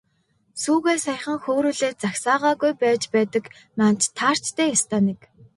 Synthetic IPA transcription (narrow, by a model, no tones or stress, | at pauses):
suːɣeːsaj̆χə̆ŋxoːɾuːɮeːt̪̚t͡saxsaːʁaːɣujpæːt͡ɕpæːt̪ə̆k | nant͡ɕt̪ʰaːr̥t͡ɕt̪ʰæːjast̪ʰaːnek